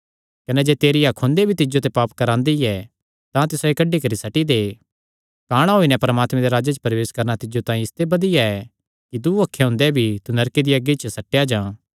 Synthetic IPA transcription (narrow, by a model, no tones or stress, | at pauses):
kɐnɛd͡ʒeːt̪eːɾijakʰõnd̪ebʱit̪ɪd͡ʒot̪̬ɛpaːpkɐɾãːnd̪iɛ | t̪ãt̪ɪsoekɐɖikɐɾisɐʈid̪e | kaːɽ̃aɦoːinɛ̃pɐɾəmaːt̪mẽd̪eɾaːd͡ʒet͡ʃpɐɾʋeːskɐɾnat̪ɪd͡ʒot̪ãːĩɪst̪ebɐd̪ɪjaɛ | kit̪uɐkʰːeɦʊ̃ːnd̪ɛbʱit̪unɐɾkid̪iɐɡit͡ʃsɐʈːejad͡ʒãː